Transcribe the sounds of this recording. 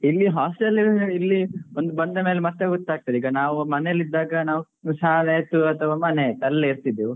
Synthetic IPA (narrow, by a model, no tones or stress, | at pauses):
ilːiɦaːsʈelilːiond̪ubɐnd̪ɐme̞ːlemɐt̪ːeɡot̪ːaːɡ̚t̪id̪iːɡɐnaːʋumɐnelːid̪ːaːɡɐnaːʋu | saːleːjt̪uɐt̪ʰɐʋaːmɐnet̪ɐlːeiɾt̪id̪ːiʋu